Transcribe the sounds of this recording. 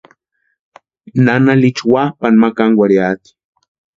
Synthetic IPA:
nanalit͡ʃwahpanmakaŋwaɾiat̪

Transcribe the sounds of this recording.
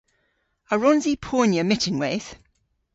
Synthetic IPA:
əɹɔ̃nzipʰɔːnjəmɪtɪ̃ŋweːθ

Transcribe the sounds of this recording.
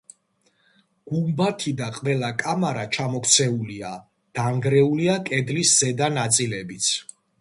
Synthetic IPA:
ɡ̥umbat̪ʰid̪aqʼvɛlˠakʼamaɾat͡ʃʰamɔkt̪sʰɛulia̰ | d̪̥aŋɡɾɛuliakʼɛd̪lisz̥ɛd̪anat̪sʼilɛbit̪sʰ

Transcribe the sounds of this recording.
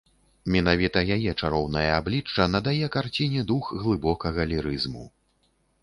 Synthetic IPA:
mʲɛnavʲit̪ɐjajɛt͡ʂaɾɔwnɐjɐablʲit͡ʂːɐnɐd̪ajɛkart͡sʲinʲɛd̪uxɣlˠɨbɔkɐɣɐlʲiɾɨzmu

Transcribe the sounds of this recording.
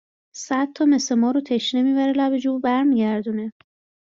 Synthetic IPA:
sæd̪̚t̪ʰɒːme̞se̞mɒːɾot̪ʰe̞ʃne̞miːbæɾelæbe̞d͡ʒuːbæɾmiːɟæɾd̪uːne̞

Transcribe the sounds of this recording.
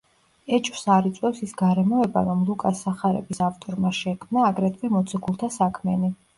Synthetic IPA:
ɛt͡ʃʼwsaɾit̪sʼwɛfsisɡaɾɛmɔɛba̰ɾɔmlˠukʼasaχaɾɛ̰bisaft̪ʼɔɾmaʃɛkʰmnaːɡɾɛt̪ʰvɛmɔt̪sʰɔɡulˠt̪ʰasakʰmɛni

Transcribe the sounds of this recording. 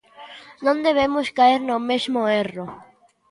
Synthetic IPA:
nõnd̪eβemoskaeɾnomezmoero

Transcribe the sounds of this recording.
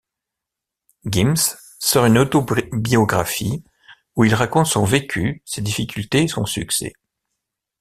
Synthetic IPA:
ɡʲimsː | ɔʁynot̪obiɔɡʁafi | uilʁakɔ̃t̪sɔ̃vekʲʰysed̪ifikʲylt̪eːsɔ̃syksɛ̰

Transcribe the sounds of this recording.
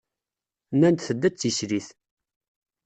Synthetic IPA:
nænt̪θəd̪ːæt͡sːiʃɾiθ

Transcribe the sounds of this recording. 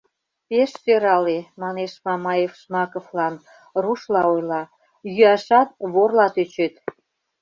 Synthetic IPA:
peʃsøɾɑlemɑneʃmɑmɑjefʃmɑkoflɑn | ruʃlɑojlɑ | jyɑʃɑt̪̚βorlɑt̪øt͡ɕet̪

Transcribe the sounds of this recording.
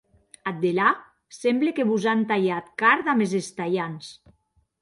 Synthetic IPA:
at̪̚d̪ela | sɛmblekeβuzant̪aʎat̪kaɾt̪amezest̪aʎans

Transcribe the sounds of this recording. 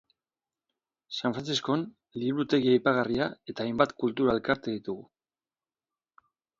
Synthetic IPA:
saɱfɾant͡sisko̞n | liβɾut̪e̞ɣiajpaɣ̞ariae̞t̪aːjmbat̪kult̪uɾae̞lkaɾt̪eðit̪uɣu

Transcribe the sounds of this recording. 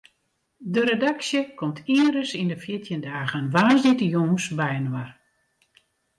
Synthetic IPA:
dəɾedaksjəkʰɔmtʰiəɾəsindəfjɪtʰjəndaːɣənʋaːzdɪtəjoŋsbɛjənwar

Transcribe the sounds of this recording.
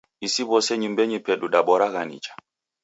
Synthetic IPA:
isiβɔsɛɲumbɛɲipɛɗuɗaɓɔɾaɣanḭt͡ʃḁ

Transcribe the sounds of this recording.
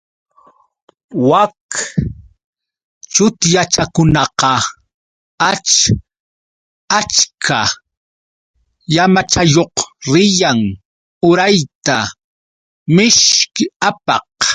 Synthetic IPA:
wak | t͡ʃʊt̪jat͡ʃakʊnɑqɑ | at͡ʃ | at͡ʃkʰa | jamat͡ʃajoqɾɪjaŋ | ʊɾajt̪a | mɪʃkɪapɑ̰q

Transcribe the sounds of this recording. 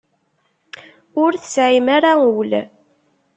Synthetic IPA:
ʊɾθəsʕimaɾaəwl

